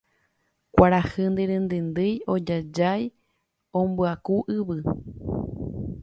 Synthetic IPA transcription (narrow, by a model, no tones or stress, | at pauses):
kʷaɾahɨnd̪eɾẽnd̪end̪ɨjod͡ʒad͡ʒaj | õmbuakuʔɨβɨ